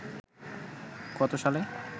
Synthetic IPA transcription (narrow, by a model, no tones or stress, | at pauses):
kɔt̪oʃale